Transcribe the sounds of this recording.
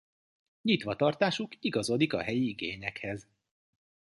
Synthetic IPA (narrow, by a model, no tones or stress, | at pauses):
ɲit̪ʋɒt̪ɒrt̪aːʃukiɡɒzo̞d̪ikɒ̰ɦɛjiiɡeːɲɛkhɛz